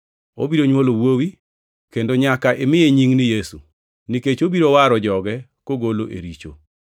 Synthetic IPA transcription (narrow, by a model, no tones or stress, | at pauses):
o̰biɾoɲwolowowi | kendoɲakaʔemɪeɲiŋnɪjesu | niket͡ʃobiɾowaɾɔd͡ʒɔɡɛkoɡoloʔḛɾit͡ʃo̰